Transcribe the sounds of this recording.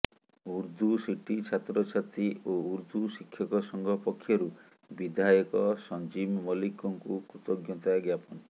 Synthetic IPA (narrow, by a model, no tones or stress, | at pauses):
uɾd̪usiʈit͡ʃʰat̪ɾɔt͡ʃʰat̪iʔouɾd̪uʃikʰːjɔkɔsɔŋɡʱɔpɔkʰːjɔɾu | bid̪ʱajɔkɔsɔnd͡ʒimmɔlikɔŋkukut̪ɔɡjɔt̪aɡjapɔn